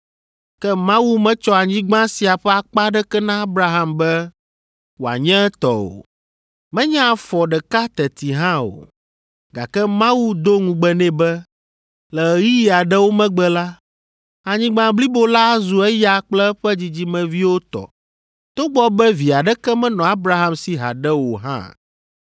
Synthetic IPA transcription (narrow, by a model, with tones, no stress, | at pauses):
kɛ˦mã˦wu˦mɛ̃˦t͡ʃɔ˦a˨ɲĩ˦ɡ͡bã˦si˨a˨ɸɛ˦a˨k͡pa˦ɖɛ˦kɛ˦nã˦a˦bɾa˦ɦã˦mbɛ˦ | wo˨a̰˨ɲɛ̃˦ɛ˦t̪ɔ̰˨o̰˨ | mɛ̃˦ɲɛ̃˦a˨fɔ˨ɖɛ˨ka˦t̪ɛ˨t̪i˨ɦã˦o̰˨ | ɡa̰˨kɛ˦mã˦wu˦d̪o˦ŋũ˨ɡ͡bɛ˨nɛ̃˦bɛ˦ | lɛ˨ji˦ji˦a˨ɖɛ˦wo˦mɛ̃˦ɡ͡bɛ˦la˦ | a˨ɲĩ˦ɡ͡bã˨bli˦bo˦la˦zu˨ɛ˦ja˦k͡plɛ˦ɸɛ˦d͡ʑi˨d͡ʑi˦mɛ̃˨vi˦wo˦t̪ɔ̰˨ | t̪o˦ɡ͡bɔ˦bɛ˦vi˨a˨ɖɛ˦kɛ˦mɛ̃˦nɔ̃˨a˦bɾa˦ɦã˦msi˨ɦa̰˨ɖɛ˦wo˨ɦã̰˦˨